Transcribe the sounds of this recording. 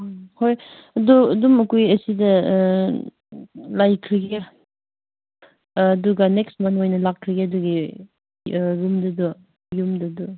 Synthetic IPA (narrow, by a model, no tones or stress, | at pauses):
hʰojɐduɐdumɐkujɐsidɐ | lajkʰɾiɡi | duɡɐneksmɐnojnɐlakʰːɾiɡeɐduɡi | ɾumdɐdɔ | jumdɐdɔ